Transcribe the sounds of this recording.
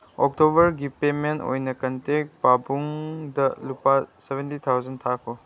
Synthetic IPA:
ɔk̚tobɐɾɡipemento̰jnɐkɐntek̚pabuŋdɐlupasebʱentitʰawzɐntʰakʰo

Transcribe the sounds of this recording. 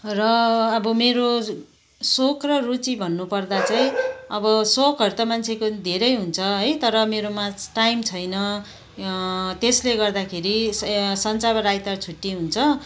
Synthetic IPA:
rʌːbʌmeɾo | sokrʌrut͡sibʱʌnːupʌrd̪at͡saĩʌbʌsokɦʌɾut̪amant͡sʰekod̪ʱeɾʌjɦunt͡sʰʌɦʌjt̪ʌɾʌmeɾomaʈajmt͡sʰʌjnʌ | t̪esleɡʌrd̪akʰeɾisʌnt͡sabʌɾajt̪art͡sʰuʈːiɦunt͡sʰʌ

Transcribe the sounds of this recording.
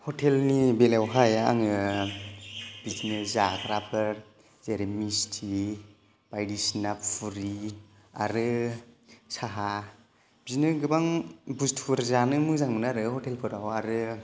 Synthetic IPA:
hɔtʰelnibelawɦaja̰ŋɯ | b̥isneszakɾapʰɯɾ | zeɾmistʰi | b̥ajdisnapfʰuɾi | a̰ɾɯ | saɦa | b̥isnɯɡɯbaŋbustʰuɾzanɯmɯzaŋmɯnaɾɯhɔtʰelpʰɯɾawaɾɯ

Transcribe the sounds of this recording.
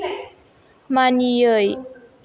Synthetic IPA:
manijəj

